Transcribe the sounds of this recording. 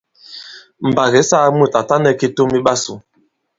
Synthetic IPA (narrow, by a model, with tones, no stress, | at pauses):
m̩˨ba˨ɣe˨˦saː˦mu˦˨ta˨ta˦nɛ˦˨ki˦to˦mi˦ɓa˦su˨